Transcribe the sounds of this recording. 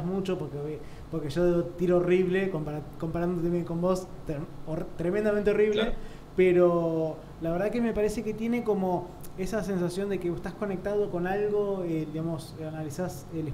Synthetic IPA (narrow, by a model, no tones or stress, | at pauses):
mut͡ʃopoɾkeβe | poɾkeʒoðot̪iɾoːriβlekompaɾako̞mpaɾand̪ot̪emeko̞mbo̞st̪ɾemẽnd̪amẽnt̪eo̞riβle | peɾo | laβeɾð̞akeme̞paɾese̞ket̪je̞ne̞ko̞mo̞ | esase̞nsasjo̞nd̪ekeβoeht̪ahko̞nek̚t̪að̞oko̞nalɣo̞ed̪iɣamo̞sanalisas | ele